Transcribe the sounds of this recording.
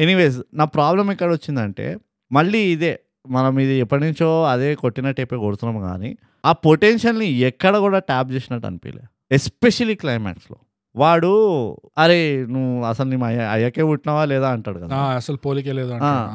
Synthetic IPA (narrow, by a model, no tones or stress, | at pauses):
eniʋeːs̬naːpɾaːblɐmikːɐɽɐot͡ʃːind̪ɐɳʈḛː | mɐɭːiːd̪eː | mɐnɐmid̪iɛpːɐʈniɲt͡ʃoːɐd̪eːkoʈːinɐʈːɐːpeːkoɽut̪unːɐːmɡa̰ːnḭ | aːpo̞ʈenʃɐlniɛkːɐɽɐkuːɽaːʈaːp̚d͡ʒeːsinɐʈːɐ̰nipḭːlʔḛː | espeʃɐliklɐjmɛ̰ːʈslo̞̰ː | ʋaːɽuɐɾe̞nuʋuɐsɐlnimɐjɐ̰jakeːuʈːinaːʋaːlɛːd̪aːɐɳʈaːɽukɐd̪aːɐsɐlupoːlikeːleːd̪uɐaː